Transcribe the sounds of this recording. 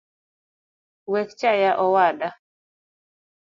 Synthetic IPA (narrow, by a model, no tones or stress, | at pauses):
wɛkt͡ʃajaʔɔwada